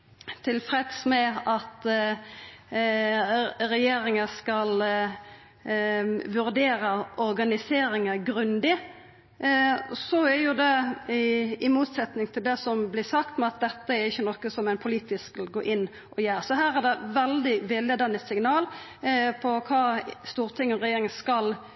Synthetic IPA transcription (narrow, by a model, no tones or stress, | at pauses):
t̪ʰɪlfɾɛt̪smɛɑt̪ | ɾɛjeːɾɪŋəskɑl | ʋʉɾd̪eːɾəɔɾɡɑnɪseːɾɪŋəɡɾʉnd̪ɪ | sɔæɾjʊd̪ɛ | ɪmuːt̪sɛt̪nɪŋt̪ʰɪld̪ɛsɔmblɪsɑkt̪mɛɑt̪̚d̪ɛt̪ːəæɾɪçːənɔkːəsɔmæɪnpʰʊliːt̪ɪskʋɪlɡoːʔɪnː | ʔɔjæːɾsɔɦæːɾæd̪ɛʋɛld̪ɪʋɪlːəd̪ɛnːəsɪŋnɑːl | pʰɔkʰɑːst̪uːɾt̪ʰɪŋːɔʁɛjeːɾɪŋəskɑl